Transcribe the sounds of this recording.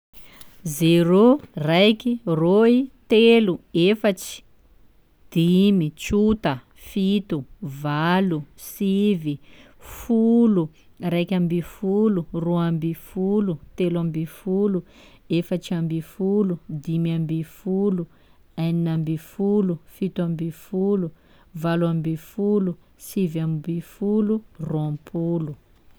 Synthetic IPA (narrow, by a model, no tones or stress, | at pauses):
zeɾorajkiroit̪eluefat͡ʃi̥ | d̪̥imit͡ʃut̪ə | fit̪uvalusivifulu | rajkʲambifuluroambifulut̪elambifulu | efət͡ʃiambifulud̪imiambifulu | ajninambifulufit̪uambifulu | valuambifulu | sivambifuluruãmpʰulu